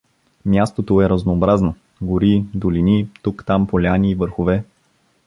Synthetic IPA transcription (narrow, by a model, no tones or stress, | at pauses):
mjast̪ot̪oɛɾəznoːbɾazno | ɡʊɾid̪ʊlinit̪ukt̪ampolʲaniːvəɾxʊvɛ